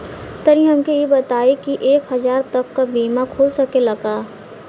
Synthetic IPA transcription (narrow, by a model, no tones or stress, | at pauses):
t̪ɐɾĩɦɐmkejebɐt̪aːekiʔeːkɦɐzaːɾt̪ɐkːabiːmakʰoːlsɐkelɐɡaː